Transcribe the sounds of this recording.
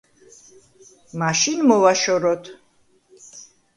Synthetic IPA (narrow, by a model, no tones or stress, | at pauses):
maʃinmɔvaʃɔɾɔt̪ʰ